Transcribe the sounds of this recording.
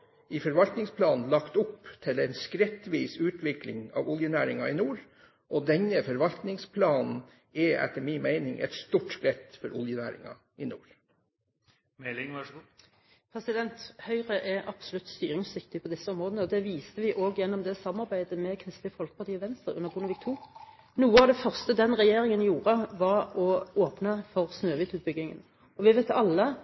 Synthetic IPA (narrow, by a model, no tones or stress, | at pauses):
ɪfɔɾʋɑlt̪nɪŋspʰlɑːnn̩lɑkt̪ʊpːt̪ʰɪlɛɪnskɾɛt̪ʋiːsʉːt̪ʰʋɪklɪ̰ŋɑ̰ːʋʊljənæːɾɪŋɑɪnuːɾ | ʔɔd̪ɛɲːəfɔɾʋɑlt̪nɪŋspʰlɑːnn̩ | ɛæ̰t̪ːəɾminmæɪnɪŋʔɛ̰t̪st̪uːʈskɾɛt̪fɔɾʊljənæːɾɪ̰ŋɑ̰ | ɪnuːɾ | mɛlɪŋʋɑʂɡ | pʰɾɛsɪd̪ɛnt̪hœʏʁəʔɛʔɑb̥sɔlʉt̪st̪y̰ːɾɪŋsʋɪkt̪ɪpʰɔd̪ɪsːəɔmʁoːd̪ənəɔd̪ɛʋiːst̪əʋɪʔoːɡjɛnːɔmd̪ɛsɑmmɑɾbæɪd̪əmɛkʰɾɪst̪lɪfɔlkə̥pɑʁt̪iːɔʋɛnst̪ɾʁəʉ̰nːəʁbʊnəʋɪkt̪ʰuː | nuːəɑʋd̪ɛfœʁst̪əd̪ɛnʁɛjeːɾɪŋənjuːɾəʋɑɾɔoːpnəfɔʁsnøːʋiːt̪ʉːt̪̚bʏɡɪŋə̰n | ɔʋɪʋɛɪt̪ɑlːə